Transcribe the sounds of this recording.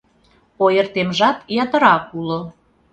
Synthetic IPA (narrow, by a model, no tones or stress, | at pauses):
ojə̆rt̪emʒɑt̪jɑt̪ə̆ɾɑkulo